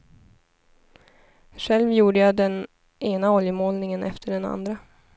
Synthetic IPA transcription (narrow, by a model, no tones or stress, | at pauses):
ʂɛlvjuːɖəjad̪ɛn | ʔeːnaɔljəmoːlnɪŋənʔɛ̰ft̪ʰəɖɛna̰nd̪ɾa